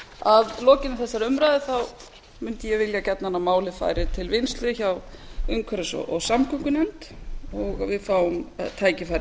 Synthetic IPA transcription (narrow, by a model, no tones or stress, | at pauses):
aðlɔːcɪnaθɛsːaɾʏmɾajðɪθaw | mʏnt̪ɪjɛvɪljacɛt̪naanːamaːwlɪfa̰ːjɾɪt̪ʰɪlvɪnst̪lʏçawʏŋkʰvɛɾʏsɔ̰ɔɣsamkʰʏŋkʏnɛnt̪ɔɣavɪðfaːwʏmt̪ʰaːjcɪfajɾɪ